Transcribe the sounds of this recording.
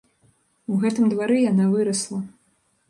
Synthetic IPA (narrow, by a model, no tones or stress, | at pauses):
uɣɛt̪ɨmd̪vaɾɨjanavɨɾɐslˠɐ